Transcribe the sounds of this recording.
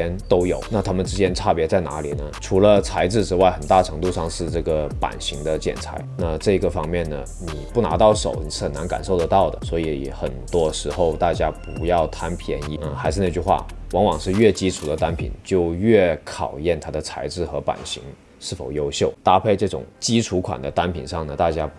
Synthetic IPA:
ɛ˥nt̪o˥ʊjo˨˩˦ʊna˥˩t̪ʰa˥mə˨nʈ͡ʂɻ̩˥t͡ɕjɛ˥nʈ͡ʂʰa˥˩pjɛ˧˥t͡sa˥˩ɪna̰˧˥lḭ˨˩nə˩˦ʈ͡ʂʰu˧˥lə˧t͡sʰa˧˥ɪʈ͡ʂɻ̩˥˧ʈ͡ʂɻ̩˥wa˥˩ɪxə˨˩nt̪a˥˩ʈ͡ʂʰɤ˧˥ŋt̪u˥˧ʂɑ˥˧ŋʂɻ̩˥˧ʈ͡ʂɤ˥˩ɡə˩pa̰˨˩nɕi˧˥ŋd̪ə˧t͡ɕjɛ̰˨˩nt͡sʰa̰˧˥ɪna˥˧ʈ͡ʂɤ˥˩i˧˥ɡə˧fɑ˥ŋmjɛ˥˩nnə̰˩ni˨˩pu˥˩na̰˧˥t̪ɑ˥˩ʊʂo̰˨˩ʊni˨˩ʂɻ̩˥˩xə˨˩na˧˥nka̰˨˩nʂo˥˩ʊd̪ə˧˦t̪ɑ˥˩ʊd̪ə̰˩swɔ˧˥i˧˥xə˨˩nt̪wɔ˥ʂɻ̩˧˥xo˥˧ʊt̪a˥˩t͡ɕja˥pu˧˥jɑ˥˩ʊt̪ʰa˥npʰjɛ˧˥ni˧˥˧xa˧˥ɪʂɻ̩˧na˥˧t͡ɕy˥˧xwa̰˥˩wɑ˧˥ŋwɑ˨˩ŋʂɻ̩˥˧ɥɛ˥˩t͡ɕi˥ʈ͡ʂʰu˨˩d̪ə˦t̪a˥npʰḭ˨˩˦nt͡ɕjo˥˧ʊɥɛ˥˩kʰɑ˨˩ʊjɛ˥˩nt̪ʰa˥d̪ə˨t͡sʰa˧˥ɪʈ͡ʂɻ̩˥˩xɤ˧˥pa̰˨˩nɕḭ˧˥ŋ | ʂɻ̩˥˩fo˨˩ʊjo˥ʊɕjo˥˩ʊt̪a˥pʰe˥˧ɪʈ͡ʂɤ˥˩ʈ͡ʂʊ̰˨˩ŋt͡ɕi˥ʈ͡ʂʰu˧˥kʰwa̰˨˩nd̪ə˦t̪a˥npʰḭ˨˩nʂɑ˥˩ŋnə˩t̪a˥˩t͡ɕja˥

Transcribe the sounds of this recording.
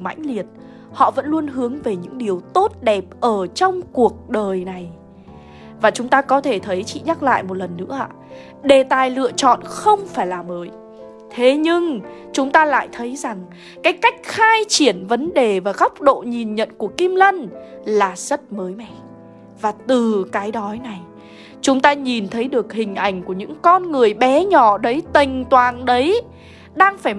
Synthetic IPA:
ma̰˧˥jŋ̟li˨˩ət̚ | hɔ̰˧˨və̰˧˥nlu˧ənɦɨ˨˦əŋve˨˩ɲɨ̰˧˥ŋɗi˨˩əwt̪o˦˥t̚ɗɛ˨˩p̚ʔəː˧˩t͡ɕɔ˧wŋ͡mku˨˩ək̚ɗəː˨˩jna˨˩j | vaː˨˩t͡ɕʊ˨˦ŋ͡mt̪aː˧kɔ˨˦t̪ʰe˧˩t̪ʰə˨˦jt͡ɕḭ˧˨ɲaː˦˥k̚la̰ː˧˨jmo˨˩t̚lə˨˩nːɨ̰˧˥əʔa̰ː˧˨ | ɗe˨˩t̪aː˨˩jlɨ̰˧˨ət͡ɕɔ̰˧˨nxə˧wŋ͡mfaː˧˩jlaː˨˩məː˨˦j | t̪ʰe˨˦ɲɨ˧ŋt͡ɕʊ˨˦ŋ͡mt̪aː˧la̰ː˧˨jt̪ʰə˨˦jza˨˩ŋ | kaː˨˦jkːa˦˥jk̟̚xaː˧jt͡ɕi˧˩ənvə˨˦nɗe˨˩vaː˨˩ɣa˦˥wk͡p̚ɗo̰˧˨ɲi˨˩nɲə̰˧˨nku˧˩əki˧mlə˧nlaː˨˩z̥ə˦˥t̚məː˨˦jmɛ̰˧˨ | vaː˨˩t̪ɨ˨˩kaː˨˦jɗɔ˨˦jna˨˩j | t͡ɕʊ˨˦ŋ͡mt̪aː˧ɲi˨˩nt̪ʰə˨˦jɗɨ˨˩ək̚hï˨˩ŋ̟ʔa˧˩jŋ̟ku˧˩əɲɨ̰˧˥ŋkɔ˧nŋɨ˨˩əjɓɛ˨˦ɲɔ˧˩ɗə˨˦jt̪i˨˩ŋ̟t̪waː˨˩nɗə˨˦j | ɗaː˧ŋfaː˧˩j

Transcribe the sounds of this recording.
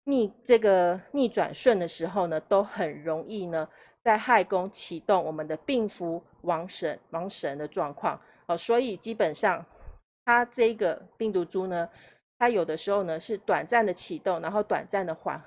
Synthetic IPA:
ni˥˧ʈ͡ʂɤ˥˩ɡə˩ni˥˩ʈ͡ʂwa̰˨˩nʂwə˥˩nd̪ə˩ʂɻ̩˧˥xo˥˩ʊnə˩t̪o˥ʊxə˨˩nɻo˧˥ŋi˥˩nə˩ | t͡sa˥˧ɪxa˥˩ɪkʊ˥ŋt͡ɕʰi˨˩t̪o˥˩ŋwɔ˨˩mə˨˦nd̪ə˦pi˥˩ŋfu˧˥ | wɑ˧˥ŋʂə˧˦˥nwɑ˧˥ŋʂə˧˥nd̪ə˧ʈ͡ʂwɑ˥˧ŋkʰwɑ̰˥˩ŋ | ɔ˨˩swɔ˧˥i˨˩t͡ɕi˥pə˨˩nʂɑ˥˩ŋ | t̪ʰa˥ʈ͡ʂɤ˥˩i˧˥ɡə˨pi˥˩ŋt̪u˧˥ʈ͡ʂu˥nə˨ | t̪ʰa˦˥jo˨˩ʊd̪ə˦ʂɻ̩˧˥xo˥˩ʊnə˩ʂɻ̩˥˩t̪wa˨˩nt͡sa˥˩nd̪ə˩t͡ɕʰi˨˩t̪o˥˩ŋna˧˥nxo˥˩ʊt̪wa̰˨˩nt͡sa˥˩nd̪ə˩xwa̰˧˥n

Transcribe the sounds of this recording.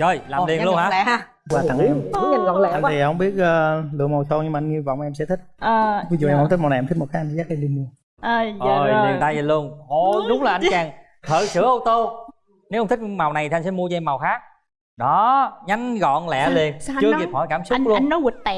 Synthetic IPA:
zəː˧˨˩jlaː˨mli˨˩əlnhaː˧˦˧ | waː˨˩a̰˧˨ŋi˧˦˨a˧˩ɔ̰˧˨ɛ̰˧˨a˧ŋʰi˨hə˧˦wŋ͡mɓi˦˥ət̚ʔəː˧lɨ̰˧˨əmo˨˩wt̪o˧ɲɨ˧mː˨˧jŋi˧vɔ̰˧˨wŋ͡mʔɛ˧msɛ̰˧˥t̪ʰï˦˥k̚ʔəː˨˩vi˨˦zu˨ʔɛ˧mhŋ͡mt̪i˦˥m˨˩wa˨˩˨ʔt̪̚ʰmo˩kaː˨˦ʔjŋʰ˨˧zaː˦˥k̚ʔɛ˧mɗi˧nmu˧əː˨˩ | ʔəː˨˩jli˨˩ət̪aː˧jzəː˨˩lu˧əŋʔo˧˩ɗʊ˨˦wŋ͡mlaː˨˩ʔa˧jŋt͡ɕaː˨˩ŋ | t̪ʰə̰ː˧˨˩sɨ̰˧˩əʔə˧wt̪o˧ | ne˨˦wha˧ŋ͡mt̪ʰi˥k̟ma˨˩wna˨˩j̪ʰi˨˧jŋsɛ̰˧˦mu˧ət͡ɕɔ˧ʔɛ˧ma˨˩wxaː˦˥k̚ | ɗɔ˨˦ɲa˨˦ŋɣɔ̰˧˨nlɛ̰˧˨li˨˩ənt͡ɕɨ˧ə˧ki˨˩p̚hɔ˧˩jkaː˧˩msʊ˦˧˥k̚lu˧ə˧nɔ˨˦wi˨˩t̚t̪ɛ˧˨˩

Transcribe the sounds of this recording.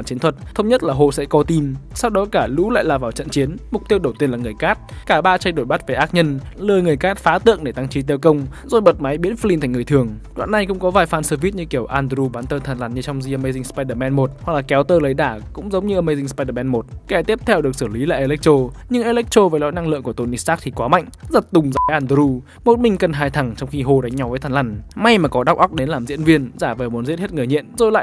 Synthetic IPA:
a˧˩nt͡ɕi˨˦ənt̪ʰwə˨˩t̚t̪ʰə˧wŋ͡mɲə˦˥t̚laː˨˩ɦo˧˩sɛ̰˧˥kɔ˨˧˦t̪i˧msa˧wɗɔ˨˦kaː˧˩lṵ˧˥la̰ː˧˨jlaː˨˩vaː˨˩wt͡ɕə̰˧˨nt͡ɕi˨˦ənmʊ˨˩k͡p̚t̪i˧əwɗə˨˩wt̪i˧ənlaː˨˩ŋɨ˨˩əjkaː˦˥t̚kaː˧˩ɓaː˧t͡ɕa˧jɗo˧˩jɓa˦˥t̚ve˨˩ʔaː˦˥t̚ɲə˧nlɨː˨˧˩jŋɨ˨˩əjkaː˦˥t̚faː˨˦t̪ɨ̰˧˨əŋɗe˧˩t̪a˧ŋt͡ɕi˨˦t̪̬e˧wkə˧wŋ͡m | zo˨˩jɓə˨˩t̚ma˨˦jɓi˨˦ənfli˧nt̪ʰŋɨ˨˩ə˩jt̪ɨ˨˩əŋ | ɗwa̰ː˧˨nːa˨˩jkʊ̰˧˥ŋ͡mkɔ˨˦vaː˨˩jfaː˧˩nsəː˧vi˦˥t̚ɲɨ˧ki˧˩əwʔaː˧ndɾu˧ɓaː˨˦nt̪əː˧t̪ʰaː˨˩nlaː˨˩nɲɨ˧t͡ɕɔ˧wŋ͡mzi˧ʔə˧mə˧jzï˧ŋspa˧jɗəː˨˧˩mɛ˧nmo˨˩t̚ha˨˩k̚laː˨˩kɛ˨˦wt̪əː˧lə˨˦jɗaː˧˩kʊ̰˧˥ŋ͡mzə˨˦wŋ͡mɲɨ˧ʔəː˧mə˧jzi˧ŋspa˧jɗəː˨˧˩mɛ˧nmo˨˩t̚kɛ˧˩t̪i˦˥əp̚t̪ʰɛ˧wɗɨ˨˩ək̚sɨː˧˩li˨˦laː˨˩ʔe˧lɛ˦˥k̚t͡ɕo˧ɲɨ˧ŋʔe˧lɛ˦˥k̚t͡ɕo˧vəː˨˦lɔ̰˧˨na˧ŋlɨ̰˧əŋku˧˩ət̪o˧˩ni˧saː˦˥k̚t̪ʰi˨˩kwaː˨˦ma̰˧˨ŋzə˨˩t̚t̪ʊ˨˩ŋ͡mzaː˨˩və˨˦jʔaː˧nd̪ə˧ɾu˧ | mo˨˩t̚mï˨˩ŋ̟kə˨˩nɦaː˧˩jt̪ʰa˨˩ŋt͡ɕɔ˧wŋ͡mxi˧ɦo˧ɗa˨˦jŋ̟ɲa˨˦wvəː˨˦t̪ʰaː˨˩nla˧˩nma˧jmaː˨˩kɔ˨˦ɗa˦˥wk͡p̚ʔa˦˥k͡p̚ɗe˨˦nlaː˨˩mzḭ˧˥ənvi˧ənzaː˧˩vəː˨˩mu˨˦ənzi˦˥t̚he˦˥t̚ŋɨ˨˩əɲḭ˧˨ənzo˨˩jla̰ː˧˨

